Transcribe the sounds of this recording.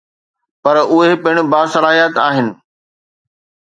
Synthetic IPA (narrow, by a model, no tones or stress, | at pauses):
pɐɾʊɦepɪɽ̃ʊ̆baːsɐlaːɦijət̪aːɦɪnɪ̆